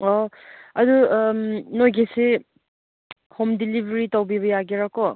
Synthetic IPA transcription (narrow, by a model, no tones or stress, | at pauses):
ɔ | ɐdumnojɡese | homdilibʱɾitawbiβɐjaɡiɾakɔ